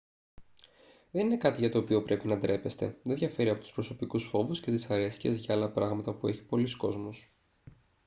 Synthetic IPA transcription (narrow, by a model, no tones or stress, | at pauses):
ðe̞nine̞kɐt̪iʝɐt̪o̞ːpio̞pɾe̞pinɐd̪ɾe̞pest̪e̞̰ðeðʝɐfe̞ɾiɐpo̞t̪u̥spɾo̞so̞pikusfo̞vusce̞t̪isɐɾe̞si̥cḛzʝɐɐlɐpɾɐɣmɐt̪ɐpueçi̥po̞lisko̞zmos